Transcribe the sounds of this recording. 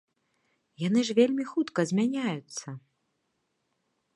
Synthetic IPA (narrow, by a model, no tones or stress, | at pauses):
jan̪ɨʐvʲelʲmʲixut̪kɐzʲmʲanʲajut̪sːɐ